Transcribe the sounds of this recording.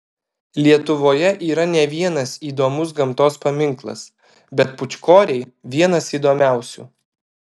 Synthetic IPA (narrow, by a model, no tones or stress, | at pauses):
lʲiɛt̪ʊʋoːjɛʔiːɾɐnʲɛʋʲiɛnɐsiːd̪oːmʊs̬ɡɐmt̪oːspɐmʲɪŋklˠɐ̰s | bʲɛt̪pʊt͡ʃʲkoːɾʲɛɪʋʲiɛnɐsiːd̪oːmʲæˑʊsʲṵː